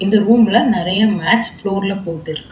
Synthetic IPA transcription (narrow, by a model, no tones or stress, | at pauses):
ɪnd̪ɐɾuːmɪlɐnɪɾɐjɐmaːʈt͡ʃfloːɾɪlɐpoːʈːɪɾɯkkːɯ̥